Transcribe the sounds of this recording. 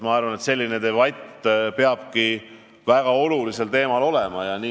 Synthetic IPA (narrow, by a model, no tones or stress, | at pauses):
mɑɑɾrvɑne̞t̪se̞lʲːine̞t̪evɑjt̪ːpe̞ɑb̥ki | væɡ̥ɑo̞lulise̞lt̪e̞ːmɑlo̞lemɑjɑniː